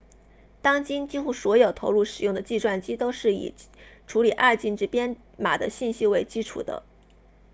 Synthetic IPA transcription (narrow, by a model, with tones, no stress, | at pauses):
t̪ɑ˥ŋt͡ɕi˥nt͡ɕi˥xu˥˩swɔ˧˥jo˨˩ʊt̪ʰo˧˥ʊlu˥˩ʂɻ̩˨˩jʊ˥˩ŋd̪ə˩t͡ɕi˥˧swa˥˩nt͡ɕi˥t̪o˥ʊʂɻ̩˥˩ḭ˨˩ʈ͡ʂʰu˧˥li˨˩ʔa˥˧t͡ɕi˥˩nʈ͡ʂɻ̩˥pjɛ˥n | ma̰˨˩d̪ə̰˦ɕi˥˩nɕi˥we˥˩ɪt͡ɕi˥ʈ͡ʂʰṵ˨˩d̪ə̰˦